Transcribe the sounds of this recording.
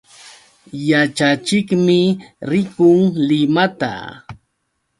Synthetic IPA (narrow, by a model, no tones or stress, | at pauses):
jat͡ʃat͡ʃɪkmɪɾɪkʊŋlɪmat̪a̰